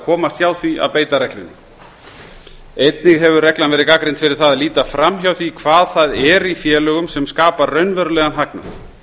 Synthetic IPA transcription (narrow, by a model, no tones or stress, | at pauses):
kʰɔːmast̪jaːwθviʔa̰wpeːjt̪aɾɛklʏnːɪ | ejt̪nɪɣɦɛvʏrɛklanvɛːɾɪðkakɾɪnt̪fɪɾɪɾ̥θaðaliːt̪afɾamjawθikʰvaːðθaðɛɾifjɛːlœɣʏmsɛmskaːpaɾrːœɥnvœɾʏlɛːɣanɦakna̰θ